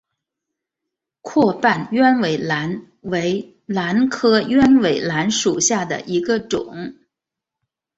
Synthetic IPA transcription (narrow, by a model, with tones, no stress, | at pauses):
kʰwɔ˥˧pa˥˩nɥɛ˥nwe˧˥ɪla˧˥n | we˧˥ɪ | la˧˥nkʰɤ˥ɥɛ˥nwe˨˩ɪla˧˥nʂu˨˩ɕja˥˩d̪ə̰˩ʔi˧˥ɡə˧ʈ͡ʂʊ̰˨˩˦ŋ